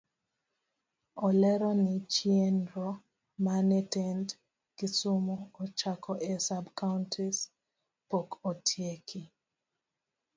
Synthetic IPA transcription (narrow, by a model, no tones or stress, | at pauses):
ɔlɛɾɔnit͡ʃienɾɔ | manɛtɛnt | kisʊmuɔt͡ʃakʰɔʔɛsabkauntʰis | pokɔtʰjekʰi